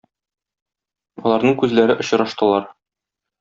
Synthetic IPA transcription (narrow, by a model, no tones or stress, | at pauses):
ɒ̰lˠɑɾnɤɴkʉzlæɾɘʔŏɕ̆ɾɑʃt̪ɤ̆lˠɑɾ